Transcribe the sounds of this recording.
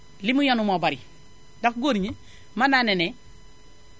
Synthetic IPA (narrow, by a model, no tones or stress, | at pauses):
limujonumobaɾi | dakɡoniɲi | mananene